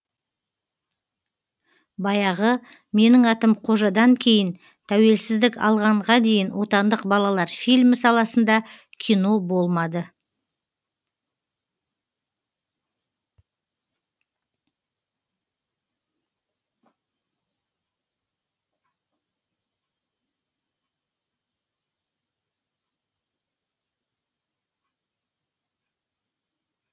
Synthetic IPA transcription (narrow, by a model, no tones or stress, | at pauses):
bɑjɑʁə | me̞nɪŋɑt̪əmqʰo̞ʒɑd̪ɑŋkʲʰe̞jɪn | t̪ʰæwe̞lsɪzd̪ɪkɑ̰lˠʁɑɴʁɑd̪e̞jɪnwʔo̞t̪ɑnd̪əqbɑlˠɑlˠɑɾfilʲmɪsɑlˠɑsənd̪ɑ | kʲʰijno̞bo̞lˠmɑd̪ə